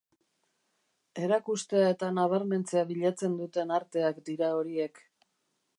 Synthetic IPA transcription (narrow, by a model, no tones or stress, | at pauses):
e̞ɾakust̪e̞ae̞t̪anaβ̞aɾme̞nt͡se̞aβiʎat͡se̞nd̪ut̪e̞naɾt̪e̞akd̪iɾao̞ɾie̞k